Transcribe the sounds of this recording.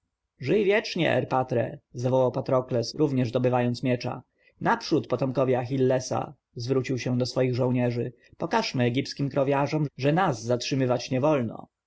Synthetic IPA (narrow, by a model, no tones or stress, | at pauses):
ʐɘjvʲjɛt͡ʂɲɛ̰ʔɛ̰ɾpat̪ɾɛ̰zavɔwawpat̪ɾɔklɛsɾuvɲɛʐd̪ɔbɘvajɔnt̪smʲjɛt͡ʂa̰ | napʂut̪pɔt̪ɔmkɔvʲjaxʲilːɛsa̰ | zvɾut͡ɕiwɕɛ̃d̪ɔsfɔjiɣʐɔ̃w̃ɲɛʐɘ | pɔkaʂmɘɛɡʲipskʲimkɾɔvʲjaʐɔmʐɛnazːatʂɘmɘvat͡ɕɲɛvɔlnɔ̰